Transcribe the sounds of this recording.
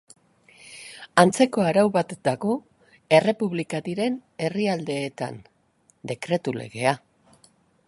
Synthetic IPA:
ant͡se̞ko̞aɾawβat̪d̪aɣo̞ | e̞re̞puβlikaðiɾe̞ne̞riald̪e̞ːt̪a̰n | d̪e̞kɾe̞t̪ule̞̰ɣe̞a

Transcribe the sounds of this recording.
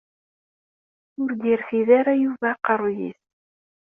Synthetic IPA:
ʊɾd̪iɾθiðaɾajuvaqːəɾˤjḭs

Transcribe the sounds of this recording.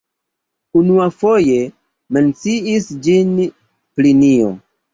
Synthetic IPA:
unuafo̞je̞ | me̞nt͡siisd͡ʒin | plinio̰

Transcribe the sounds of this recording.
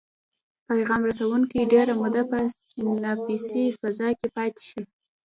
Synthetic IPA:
pajɣɑmɾasawuŋkiɖeɾamʊd̪apəsinɑpisifazɑkepɑt̪e̥ʃi

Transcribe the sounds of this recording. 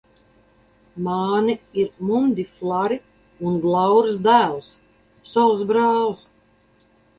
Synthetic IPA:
maːniiɾmumd̪ʲiflˠaɾi | unɡlˠawɾsd̪æːlˠs | sɔlsbɾaːls

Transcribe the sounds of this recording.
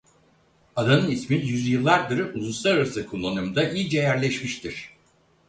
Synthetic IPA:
ad̪anɯnismijyzjɯlˠːaɾd̪ɯɾulˠuslˠaɾaɾasɯkʰolˠːanumd̪aʔijid͡ʒɛjæɾlʲɛʃmiʃt̪ʰiɾ̥

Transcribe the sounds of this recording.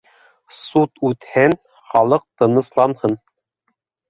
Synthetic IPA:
sut̪ʉt̪hæn | χɑlˠɤq̚t̪ɤ̆nɤ̆slˠɑnhɤn

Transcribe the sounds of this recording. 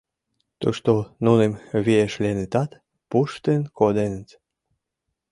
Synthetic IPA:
t̪ṵʃt̪onunemβieʃlʲenet̪ɑt̪ | puʃt̪enkod̪enət̪

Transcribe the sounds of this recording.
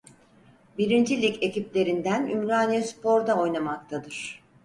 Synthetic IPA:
biɾind͡ʒilʲice̞ciplʲe̞ɾind̪ænymɾaːnijɯspʰo̞ɾd̪ao̞jnamak̚t̪ʰad̪ɯɾ̥

